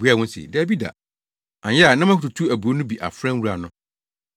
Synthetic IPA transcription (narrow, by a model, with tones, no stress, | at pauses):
u˦a˦˨wʊ̃˦n˦sɪ̰˨dbi˦da̰˨ | ã˨ɲjɛ˦a˨nã˦m˦ã˦kʊ˨tu˨tʰu˦æ˨bu˨o˦nʊ̃˦bi˨ʔa̰˨fɾã˦wu˦ɾa˨nʊ̃˦